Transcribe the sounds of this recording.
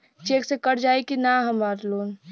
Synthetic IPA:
t͡ʃeːksekəɽ̤d͡ʒaːekinaɦəmaːɾloːn

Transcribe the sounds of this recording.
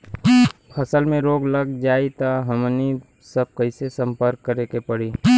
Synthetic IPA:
pʰəsəlmẽɾoːɡləɡd͡ʒaːit̪aɦəmni | səb̚kəɪsesə̃mpəɾkːəɾekepəɽiː

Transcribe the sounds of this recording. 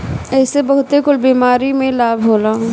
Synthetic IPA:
ɛːsebɐɦʊt̪ekʊlbiːmaːɾimẽlaːbʱɦoːlãː

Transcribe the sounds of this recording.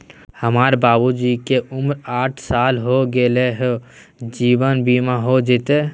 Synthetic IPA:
həmaːɾbaːbud͡ʒikeʔʊmɾaːʈʰsaːlɦoɡeleɦe | d͡ʒiːwənbiːmaɦod͡ʒɪt̪e

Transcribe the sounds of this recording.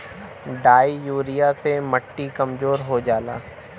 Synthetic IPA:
ɖaːijuːɾijasemɐʈːikɐmzoːɾɦod͡ʒaːla̰ː

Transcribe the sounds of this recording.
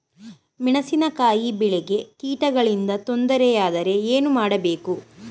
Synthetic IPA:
miɳɐsinɐkaːjibiɭɛɡe̞kiːʈɐɡɐɭind̪ɐt̪o̞nd̪ɐɾɛjaːd̪ɐɾe̞eːnumaːɽɐbe̞ːku

